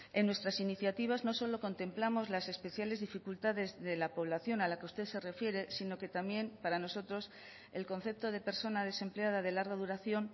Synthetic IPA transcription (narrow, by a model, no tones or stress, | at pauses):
e̞nːwe̞st̪ɾasiniθjat̪iβ̞azno̞so̞lo̞ko̞nt̪ẽ̞mplamo̞zlase̞spe̞θjale̞zðifikult̪aðe̞zðe̞lapo̞β̞laθjo̞nalakust̪e̞ðse̞re̞fje̞ɾe̞sino̞ke̞t̪amje̞mpaɾano̞so̞t̪ɾo̞s | e̞lko̞n̟θe̞p̚t̪o̞ðe̞pe̞ɾso̞nað̞e̞se̞mpleað̞aðe̞laɾɣaðuɾaθjo̞n